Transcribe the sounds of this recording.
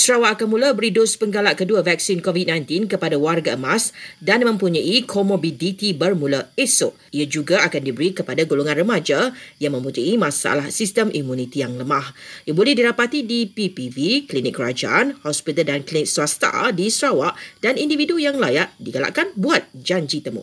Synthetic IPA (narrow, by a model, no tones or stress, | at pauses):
sɾawaʔakanmũlabəɾidospəŋɡalaʔkəduavɛk̚sinkovit̪̚nãjnt̪ɪnkəpadawarɡaəmasdanmə̃mpuɲãʔikʰomobilit̪ibərmũlaesʊʔiad͡ʒuɡaakandibəɾikəpadaɡoloŋãnrəmad͡ʒajaŋmə̃mput̪uimãsaa̰lahsist̪əmʔimũnit̪ijaŋləmãhjabolɛhdiɾapat̪idipipiviklinɪk̚kɡəɾad͡ʒaʔanhɔspit̪əldanklinɪk̚swast̪a̰disəɾawaʔd̥anindividujaŋlajaʔdiɡala̰ʔkanbuat̪̚d͡ʒaɲd͡ʒit̪əmʊ̰